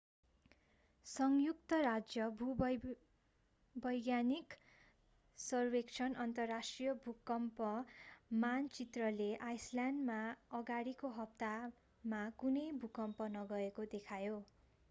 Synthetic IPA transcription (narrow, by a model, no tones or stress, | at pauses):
sʌŋjuk̚t̪ʌrad͡zjʌbʱu | bʌjɡjanik | sʌrbekt͡ʃʰʌnʌnt̪ʌrːasʈrijʌbʱukʌmpʌmant͡sit̪rʌleʔajslandmaʌɡaɽikoɦʌp̚t̪a | makunʌjbʱukʌmpʌnʌɡʌekod̪ekʰajo